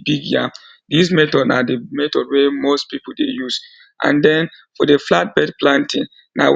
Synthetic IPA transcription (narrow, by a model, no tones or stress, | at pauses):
biɡja | dismɛtɔdnademɛtɔd̚wɛmostpipuldejuz | ʔã̰ndɛ̃n | fɔdeflat̚bɛdplãntĩn | na̰